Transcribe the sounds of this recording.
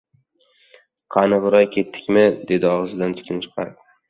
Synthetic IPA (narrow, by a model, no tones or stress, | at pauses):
qʰɑnɨʁɾɒjkʲʰe̞t̪ʰːɪ̥kʲmɪd̪e̞d̪ɪɒʁɨzɪd̪ant̪ʰʊ̥kʲʰɪnt͡ʃʰɨ̥qʰɑ̰ɾ